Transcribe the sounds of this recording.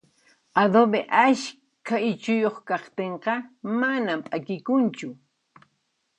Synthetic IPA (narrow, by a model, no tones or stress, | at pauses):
ad̪obeʔaʃ | kʰaɪt͡ʃʊjoχkɑχt̪eɴqɑmanampʼakɪkʊnt͡ʃʊ